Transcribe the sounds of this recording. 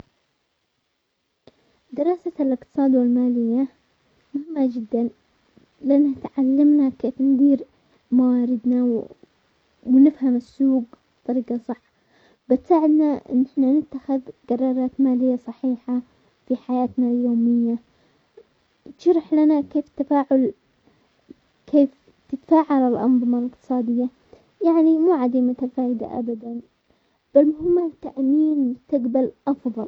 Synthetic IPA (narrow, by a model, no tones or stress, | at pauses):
d̪ɪɾˤɑːsalɪqt̪ɨ̥sˤɑːd̪wɪlmaːlɪjːa | mʊhɪmːad͡ʒɪd̪ːan | lɪʔanːaɪt̪ʕalːamnakeːfnd̪iːɾ | mawaːɾɪd̪na | wnɪfhamɪsːuːɡbt̪ˤːɑɾiːqɑsˤɑħː | bɪt̪saːʕɪd̪naɪ̰nːɪħnanɪt̪ːaxɪðɡɑrˤːɑːɾˤɑːt̪maːlɪjːasˤɑħiːħa | fiħajaːt̪naljoːmɪjːa | ʃɑɾˤɪħlanakeːft̪afaːʕʊl | kʰeːf | t̪ɪt̪ḁfaːʕalɪlʔɑ̰nðˤɨmalɪq̚t̪ɨ̥sˤɑːd̪ɪjːa | jaʕnimuːʕad̪iːmʊt̪afaːʔɪd̪a̰ʔa̰bad̪an | b̥almʊhɪmːat̪ːaʔmiːnmʊst̪aɡbalʔɑfðˤɑl